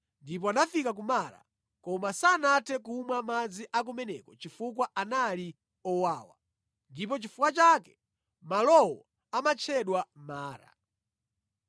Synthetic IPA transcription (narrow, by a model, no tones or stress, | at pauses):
ndip̬ɔanafikak̬umaɾa̰ | kɔmasanatʰɛk̬umwamad͡ziʔak̬umɛnɛkɔt͡ʃifukwaʔanali | ɔwaːwa̰ | ndip̬ɔt͡ʃifukwat͡ʃakɛ̥ | malɔwɔ | amat͡ʃʰɛɗwamaːɾa̰